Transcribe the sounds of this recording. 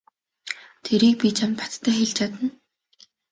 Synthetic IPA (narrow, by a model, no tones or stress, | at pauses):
t̪ʰeɾiːk̚pʲit͡ɕʰamt̪pḁt̪ʰːæːxeɮt͡ɕat̪ə̆n